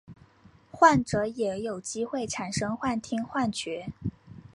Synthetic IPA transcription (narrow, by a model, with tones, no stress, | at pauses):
xwa˥˩nʈ͡ʂɤ˧˥jɛ˧˩˥jo˨˩ʊt͡ɕi˥xwe˥˩ɪʈ͡ʂʰa˨˩nʂɤ˥ŋxwa˥˩nt̪ʰi˥ŋxwa˥˩nt͡ɕɥɛ˧˥